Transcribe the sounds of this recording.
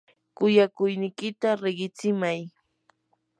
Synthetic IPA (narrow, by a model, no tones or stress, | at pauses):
kʊjakʊjnɪkɪt̪aɾeɢɪt͡sɪmaj